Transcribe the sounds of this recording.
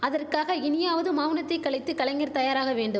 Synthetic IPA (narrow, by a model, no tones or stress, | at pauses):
ɐðɐrkaːɣɐɪnɪjaːʋɐðɯmaːʋnɐt̪ːɐɪkːɐɭɪt̪ːɯkɐɭɐŋɐɾt̪ɐjaːɾaːɣɐʋeːɳɖɯ